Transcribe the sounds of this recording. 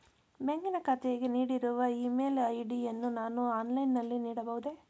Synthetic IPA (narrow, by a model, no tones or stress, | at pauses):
beŋɡinɐkɐt̪ʰejɐɡeniːɽiɾuʋɐimeːlɐjɖienːunaːnuaːnlɐjnːɐlːiniːɽɐbɐʋud̪e̞